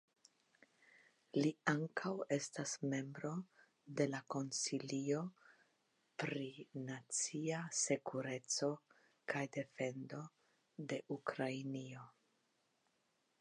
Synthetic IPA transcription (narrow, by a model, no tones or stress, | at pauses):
liaŋkʰawe̞stasme̞mbɾo̞ | de̞lako̞nsilio̞ | pɾinat͡siase̞kuɾe̞t͡so̞ | kajde̞fe̞ndo̞ | de̞ʔukɾajnio̞